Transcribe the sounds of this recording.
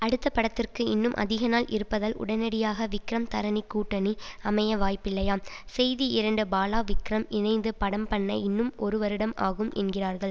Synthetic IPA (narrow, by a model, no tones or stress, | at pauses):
ɐɽɯt̪ːɐpːɐɽɐt̪ːɪrkɯɪ̰nːɯmʔɐ̰ðɪɣɐnaːlʔɪ̰ɾɯpːɐðɐlʔʊ̰ɽɐnɐɽɪjaːɣɐʋɪkɾɐmt̪ɐɾɐnikːuːʈːɐniɐmɐjɐʋaːjpːɪlːɐjaːmsɛjðiɪɾɐɳɖɯbaːlaːʋɪkɾɐmɪnɐɪnd̪ɯpɐɽɐmpɐɳːɐɪnːɯmʔɔɾɯʋɐɾɯɽɐmʔa̰ːɣɯmʔɛ̰nɡɪraːɾɣɐɭ